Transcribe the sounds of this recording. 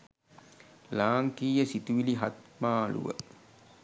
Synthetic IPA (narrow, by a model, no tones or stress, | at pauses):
laːŋkiːjəsit̪uʋiliɦat̪̚maːlṵʋə̰